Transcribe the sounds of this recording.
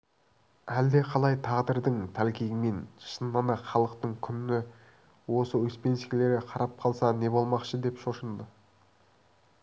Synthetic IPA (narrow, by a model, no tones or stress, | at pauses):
æld̪e̞qʰɑlˠɑjt̪ʰɑʁd̪əɾd̪əɴt̪ʰælkʲejɪme̞nʃənːɑnɑχɑlˠəqt̪əɴkʲʰʏnnɪ | wo̞səwɵspe̞nsɪkʲle̞ɾɪqʰɑɾɑp̚qʰɑlˠsɑne̞bo̞lˠmɑqʃəd̪e̞pʃo̞ʃənd̪ə